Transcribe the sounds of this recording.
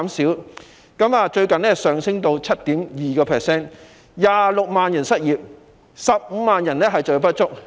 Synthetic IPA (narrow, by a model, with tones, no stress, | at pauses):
msiː˨˥w | kɐ˨˥maː˨˧t͡ʃɵ˧ɥkɐ˨nɛ˥sœː˨ŋsɪ˥ŋt̪o˧wt͡sʰɐ˥t̚t̪iː˨˥mjiː˨kɔː˧pʰɛː˨sɛː˥˩n | jaː˨lʊ˨k̚maː˨njɐ˨˩nsɐ˥t̚jiː˨p̚ | sɐ˨p̚m̩ː˨˧maː˨njɐ˨˩nlɛː˥ɦɐ˨jt͡sɔ˨˩p̬ɐ˥t̚t͡ʃʊ˥k̚